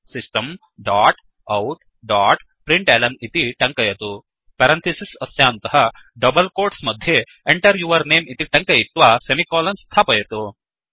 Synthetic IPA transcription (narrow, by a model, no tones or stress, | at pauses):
sisʈɐm | ɖaːʈ | ɐwʈ | ɖaːʈ | pɾiɳʈeːlɐnit̪iʈɐŋkɐjɐt̪u | pɐɾɐnt̪ʰisisɐsjaːnt̪ɐɦɐ | ɖɐbɐlkoːɾʈsmɐd̪ʱje | eɳʈɐɾʋjuːʋɐɾneːmit̪iʈɐŋkɐjit̪ːʋaːsemikɔːlɐnst̪ʰaːpɐjɐt̪u